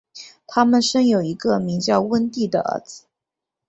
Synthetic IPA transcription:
t̪ʰa˥mə˨nʂə˥ŋjo˨˩ʊi˧˥ɡə˧mi˧˥ŋt͡ɕjɑ˥˧ʊwə˥nt̪i˥˩d̪ə̰˩ə̰˧˥t͡sɹ̩˧˩

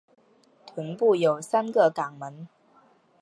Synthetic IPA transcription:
t̪ʰwə˧˥npu˥˩jo˨˩ʊsa˥nɡə˨ka˨˩ŋmə˧˦n

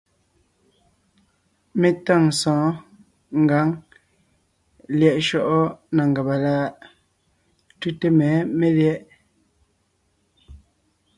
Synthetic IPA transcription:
me˨ta˦˨ŋsɔ̃ː˨˦ | ŋ˨ɡa˨˦ŋ | ljɛ˨ʔʃɔ˦˨ʔɔ˦na˨ŋ˨ɡa˨ba˨la˦ | tu˦te˦mɛː˨˦me˦ljɛ˦ʔ

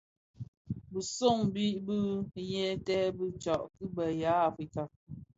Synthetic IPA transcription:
bə˨so˦˨ŋbi˦ʔbɨ˦jɛ˦tɛ˦bi˦t͡ʃɔ˨ʔkɨ˦bə˨ja˨˦a˨fɾi˨˦ka˨

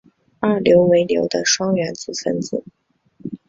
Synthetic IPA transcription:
a˥˩ljo˧˥ʊwe˧˥ɪljo̰˧˥ʊd̪ə˧ʂwɑ˥ŋɥɛ˧˥nt͡sɹ̩˨˩fə̰˥nt͡sɹ̩˨˩˦

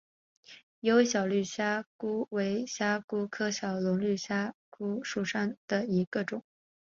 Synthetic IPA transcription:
jo˧˥ʊe˥ɕjɑ˨˩ʊly˥˩ɕja˥ku˥we˧˥ɪɕja˥ku˥kʰɤ˥ɕjɑ˨˩ʊlʊ˧˥ŋly˥˩ɕja˥ku˥ʂu˥˩ʂa˥˩ŋd̪̥ə˨i˧˥ɡ̥ə˧ʈ͡ʂʊ˨˩˦ŋ

